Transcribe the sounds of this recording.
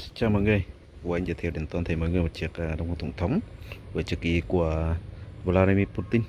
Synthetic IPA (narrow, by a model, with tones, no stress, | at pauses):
t͡ɕaː˧˩mɔ̰ː˧˨jŋɨ˨˩əj | ku˧˩ʔa˧jŋzə̰ː˨˧˩t̪ʰi˧˩˨wɗï˨˩ŋt̪o˧nt̪ʰi˨˩mɔ̰˧˨jŋɨ˨əjmə˨˩t͡ɕi˨˩ək̚ːɗwŋ͡mʰə˧˩t̪ə˧˩wŋ͡mt̪ʰə˨˦wŋ͡mvəː˨˩t͡ɕɨ˨˩k̚ḭ˧˨˦ku˧˩əvlaː˧ɗi˧mi˧pu˧t̪i˧n